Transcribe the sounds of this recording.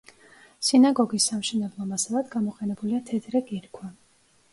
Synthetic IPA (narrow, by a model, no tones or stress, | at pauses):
sinaɡɔɡisːamʃɛnɛblˠɔmasɛvad̪ɡamɔqʼɛnɛbuliat̪ʰɛd̪ɾɛkʼiɾkʰwa